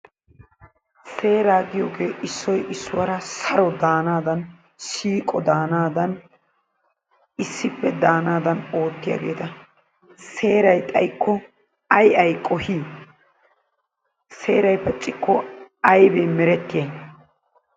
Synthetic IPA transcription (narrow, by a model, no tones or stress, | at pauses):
se̞ːɾaːɡɪjoːɡe̞ːʔɪsːɔjʔɪsːʊwɐɾɐsɐɾɔd̪aːnaːd̪ɐn | ʃiːkʼɔd̪aːnaːd̪ɐn | ɪsːɪpːɛd̪aːnaːd̪ɐno̞ːt̪ːɪja̰ːɡe̞ːt̪ɐ | se̞ːɾɐjt̪ʼɐjkːɔ | ɐjɐjkʼɔhiː | se̞ːɾɐjpɐt͡ʃʼːɪkːɔɐjbɛmɛɾɛt̪ːɪjeː